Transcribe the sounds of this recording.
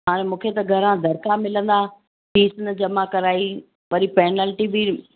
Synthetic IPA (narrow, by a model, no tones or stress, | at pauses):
ɦaːɾ̃ẽmũːkʰet̪ɐɡʱɐɾãd̪ʱɐɾkamɪlə̃nd̪a | ʈiːsnə̆d͡ʑɐmakɐɾaːi | ʋɐɾipɛːnəlʈibi